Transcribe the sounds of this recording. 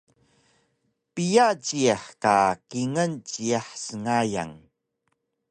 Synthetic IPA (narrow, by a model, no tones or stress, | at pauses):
pijat͡ɕiaħkakiŋənt͡ɕiaħsəŋaja̰ŋ